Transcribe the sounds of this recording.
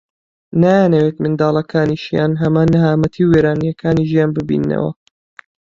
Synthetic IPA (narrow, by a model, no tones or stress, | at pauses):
naːjanɐwet̪mɨnd̪aːlˠɐkʰaːniʃijaːnɦɐmaːnːɨɦaːmɐt̪ʰiwːeːɾaːnijɐkʰaːniʒijaːnbɨbḭːnːɐ̰wɐ̰